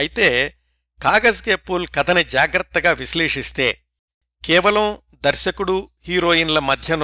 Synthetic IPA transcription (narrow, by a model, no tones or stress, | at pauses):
ɐjit̪eː | kaːɡɐsɡeːpːulkɐt̪ʰɐnid͡ʒaːɡɾɐt̪ːɐɡaːʋisleːʂist̪e̞ː | kɛːʋɐlɐm | d̪ɐɾʃɐkuɽuhiːɾo̞ːjiːnlɐmɐd̪ʱjɐn